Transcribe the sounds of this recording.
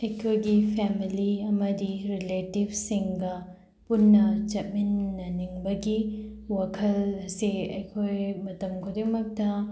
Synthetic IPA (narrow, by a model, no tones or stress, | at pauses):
ɐjkʰojɡipʰemiliɐmɐdiɾiletib̚ʱsiŋɡɐ | punːɐd͡ʒɐt̚minːɐniŋbɐɡiwɐkʰɐlɐsiɐ̰jkʰojmɐtɐmkʰodimɐk̚tɐ